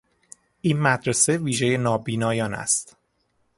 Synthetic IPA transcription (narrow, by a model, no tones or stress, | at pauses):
ʔiːnmæd̪ɾese̞viːʒe̞je̞nɒːbiːnɒːjɒːnæ̰st̪